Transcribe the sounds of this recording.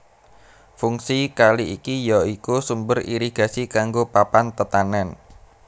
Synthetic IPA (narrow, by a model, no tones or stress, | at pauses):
fuŋsikaliikijɔikusumbəriɾiɡ̥a̤sikaŋɡopapant̪ət̪anɛn